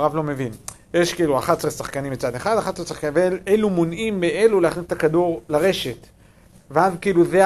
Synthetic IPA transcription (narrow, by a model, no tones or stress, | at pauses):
ʁavlo̞me̞vin | jeʃkiiːluaχatsʁesaχkanimbet͡sad̪eχad̪aχat̪sesaχkvelelumonʔimːeʔeluleaχnist̪akad̪uʁlaʁe̞ʃe̞t | veazkiiːluze